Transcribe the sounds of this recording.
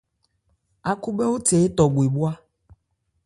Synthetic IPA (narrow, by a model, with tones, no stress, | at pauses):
a˨ku˦be˦wo˦t̪e˨˦e˦t̪ɔ˨ɡ͡bu˨e˨bu˦a˦